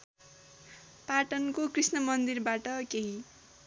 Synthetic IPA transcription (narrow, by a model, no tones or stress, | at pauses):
paʈʌnkokrisnʌmʌnd̪irbaʈʌkeɦi